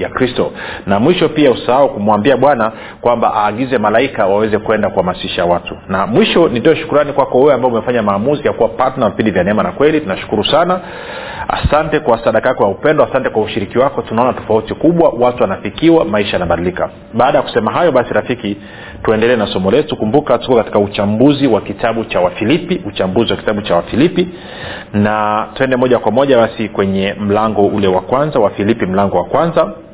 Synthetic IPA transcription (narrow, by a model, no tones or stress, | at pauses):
jakɾistɔnamwiʃɔpiausahaukumwambiaɓwana | kwamba̰ʔaːɠizɛmalaikawawɛzɛkuɛndakuhamasiʃawatunamwiʃɔnitɔɔʃu̥kuɾanikwakɔwɛwɛambaɔumɛfaɲamaːmuzijakuwapatanavipindivjanɛɛmanakwɛlitunaʃu̥kuɾusana | a̰santɛkwasaɗakajakɔjaupɛndɔasantɛkwauʃiɾikiwakɔtunaɔnatɔ̥fautikuɓwawatuwanafikiwamaiʃajanaɓaɗilika | ɓaːɗajaku̥sɛmaɦajɔɓasiɾafiki | tuɛndɛlɛnasɔmɔlɛtukumbukatu̥kɔkati̥kaut͡ʃambuziwakitaɓut͡ʃawafilipiut͡ʃambuziwakitaɓut͡ʃawafilipi | natuɛndɛmɔʄakwamɔʄaɓasikwɛɲɛm̩laŋɡɔulɛwakwanzawafilipim̩laŋɡɔwakwanza